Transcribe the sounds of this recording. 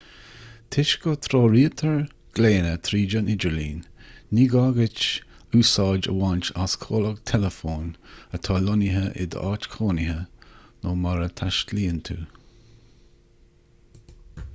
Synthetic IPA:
t̪ʰɪʃɡət̪ʰɾoːɾiːət̪ʰəɹ | ɡ̥leːnət̪ʰɾiːd͡ʒənɪd͡ʒəɹliːnːiːɡaːɡɪt͡ʃ | uːsɑːd͡ʒə̰want͡ʃaskʰoːləɡt̪ʰɛləfoːnət̪ʰɑːlɔnɪɦəʔɪ̰d̪ə̰ʔɑːt͡ʃkʰoːnɪɦənoːmaɾət̪ʰaʃtliːənt̪ʰuː

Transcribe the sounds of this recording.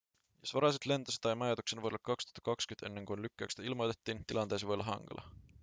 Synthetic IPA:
jɑsvɑɾɑset̪le̞nd̪̥ɑsed̪ɑjmɑjɑd̪uksenvolɑkːɑkst̪u̥hɑt̪ɑkɑkskyne̞nːeŋkunlykːeɑkst̪ɑilmod̪̥et̪ːint̪ilɑnd̪̥ejs̬ivolɑɦɑ̰ŋɡ̥ɑ̰lʔɑ̰

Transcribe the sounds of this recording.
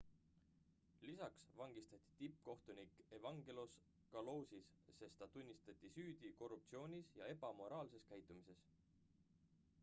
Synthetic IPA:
lisɑksvɑŋɡ̥ist̪ɑt̪ʲːˑi̥t̪ip̚ːko̞ht̪unikˑe̞vɑŋɡ̥elos | kɑlo̞ːsis | se̞st̪ɑt̪unʲːist̪ɑt̪ʲːˑisyːd̪̥iko̞rupt̪sio̞ːnʲisjɑ̰e̞b̥ɑmo̞ɾɑːlse̞skæjt̪ːˑumise̞s

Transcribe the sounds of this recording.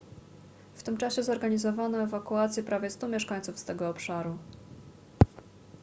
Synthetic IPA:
ft̪ɘmt͡ʂaɕɛzɔɾɡaɲizɔvanɔɛvakuat̪sʲjɛpɾavʲjɛst̪umʲjɛʂkaɲ̃t̪sufst̪ɛɡɔːpʂaɾu

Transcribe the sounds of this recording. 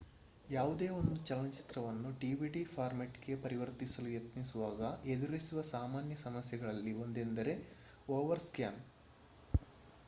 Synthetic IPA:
jaːʋud̪e̞ːo̞nd̪ut͡ʃɐlɐnt͡ʃi̥t̪ɾɐʋɐnːuɖiːʋiɖifʰaːɾmeʈɡe̞pɐɾiʋɐɾt̪isɐlujɐt̪nisuʋaːɡɐed̪uɾisuʋɐsaːmaːnjɐsɐmɐsjɐɡɐɭɐlːio̞nd̪e̞nd̪ɐɾe̞ | oːʋɐɾskjaːm

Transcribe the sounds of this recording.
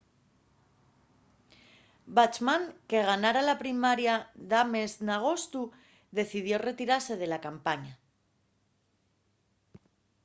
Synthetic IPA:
bat͡ʃmaŋke̞ɣ̞anaɾalapɾimaɾjaðame̞znaɣ̞o̞st̪u | ðe̞θið̞jo̞re̞t̪iɾaɾse̞ð̞e̞lakampaɲa

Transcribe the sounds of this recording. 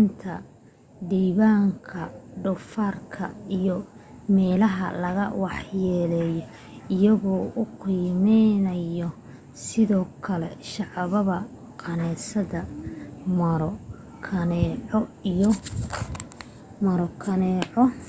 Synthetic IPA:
nt̪ʰɐ | ɖiːβaːŋkʰɐɖʊfarkʰɐ̰ijɔmɛːlɐɦɐ̰lɐɣɐwɑħjɛːlɛːjɔ | ɪjɐɣɔːʊqiːmɛnɐjɔ | sɪðɔːkʰɐlɛʃɑʕɑβɐβɐ | qɑnɛːsɐðɐmɐɾɔ | kʰɐnɛʕɔɔ | mɐɾɔkʰɐnɛːʕɔ

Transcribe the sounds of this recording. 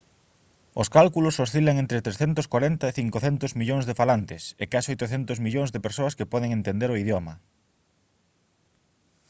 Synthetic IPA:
oskalkulososθilɐŋẽnt̪ɾɪt̪ɾesθent̪ʊskwaɾent̪ɐeθiŋkoθent̪ʊzmiʎoŋzðefalant̪ɪsḛkasojt̪oθent̪ʊzmiʎoŋzðepeɾsoɐskepɔðeŋẽnt̪end̪eɾoiðjɔmɐ

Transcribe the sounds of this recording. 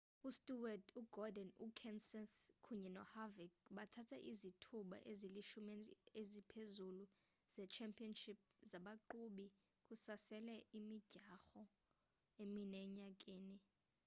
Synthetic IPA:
ustʼuwaduɡ̥ʱɔdɛnukʰɛnsɛnθkʰuɲɛnɔhavikɓatʰatʰaʔizitʰuɓa̰ʔeziliʃumɛezipʰezulu | z̥ɛt͡ʃʰɛmpʰʼiɔnʃip̚zaɓaǃuɓi | kʼusasɛlɛʔimiɟ̥ʱaxɔ | eminɛɲak̬ʼeːni

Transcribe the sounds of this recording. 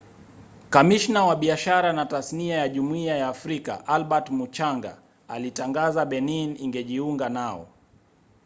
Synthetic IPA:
kamiʃnawaɓiaʃaɾanatasniajaʄumuiajaːfɾika̰ʔalɓatmut͡ʃaŋɡa̰ | alitaŋɡazaɓɛniniŋɡɛʄiuŋɡanaɔ̰

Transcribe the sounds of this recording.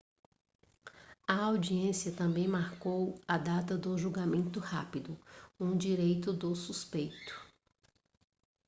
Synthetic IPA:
ɐawd͡ʒiẽsiɐt̪ɐ̃mbẽj̃maɾkowɐd̪at̪ɐd̪ʊʒuɡamẽnt̪ʊha̰pid̪ʊũd͡ʒiɾejt̪ʊd̪ʊsuspejt̪ʊ̥

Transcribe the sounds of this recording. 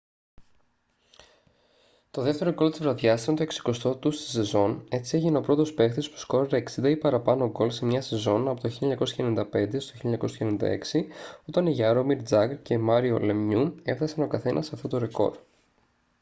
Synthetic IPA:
t̪o̞ðe̞ft̪e̞ɾoko̞lot̪izvɾɐðʝɐst̪iont̪oe̞ksi̥ko̞st̪o̞t̪ust̪i̥se̞zo̞ne̞t͡sie̞ʝineo̞pɾo̞t̪o̞spe̞xt̪ispu̥sko̞ɾɾeeksind̪ɐipɐɾɐpɐnoɡo̞lsemɲɐse̞zo̞nɐpo̞t̪oçilɲɐko̞sçɐenind̪ɐpe̞nd̪est̪oçioɲɐko̞scɐenind̪ɐ̰e̞̰ksio̞t̪ɐniʝɐɾomiɾd͡zɐɡɾce̞mɐɾiole̞mɲue̞fθɐsɐno̞kɐθe̞nʔɐsɐft̪o̞t̪oɾeko̞̰ɾ

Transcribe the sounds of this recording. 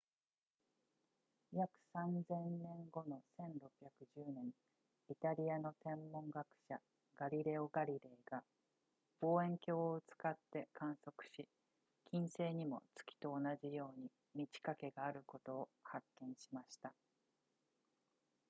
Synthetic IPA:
jakɯ̟̥sãnd͡zẽ̞nnẽ̞ŋɡo̞no̞sẽ̞nɾo̞pʲːjakɯ̟ʑɨːnẽ̞ŋ | it̪aɾʲiano̞t̪ẽ̞mːõ̞ŋɡakɯ̟̥ɕa | ɡ̥aɾʲiɾe̞o̞ɡaɾʲiɾe̞ːɡa | b̥o̞ːẽ̞ŋkʲo̞ːoɯt͡sɨ̥kat̪ːe̞kãɰ̃so̞kɯ̟̥ɕi | kʲĩɰ̃se̞ːɲ̟imo̞̰t͡sɨ̥kʲi̥t̪o̞ːnaʑijo̞ːɲ̟i | mʲit͡ɕi̥kake̞ɡaːɾɯ̟ko̞t̪o̞ːhakːẽ̞ɰ̃ɕimaɕi̥t̪a

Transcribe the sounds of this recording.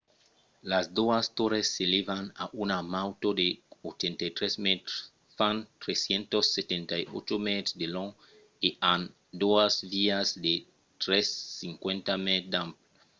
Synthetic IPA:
lazd̪oast̪oɾesːelevana̰ʔunamawt̪od̪eot̪ẽnt̪ajt̪ɾesmet̪ɾ | fãnt̪ɾesjẽnt̪osːet̪ẽnt̪ajo̰t͡ʃomet̪ɾd̪elõŋ | eãn | d̪oazviazd̪e | t̪ɾesːĩŋkwẽnt̪amed̪ãmpl

